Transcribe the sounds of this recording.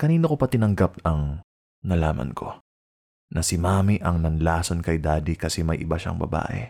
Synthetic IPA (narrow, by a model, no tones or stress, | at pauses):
kɐniːno̞kopɐt̪ɪnɐŋɡap̪̚ɐŋ | nɐla̰ːmɐ̰nkʰo̞̰ | nɐsɪmaːmiʔɐŋnɐnlaːsonkɐjd̪aːd̪ikɐsɛmɐjʔɪbaʃa̰ŋbɐ̰ba̰ːʔɛ̰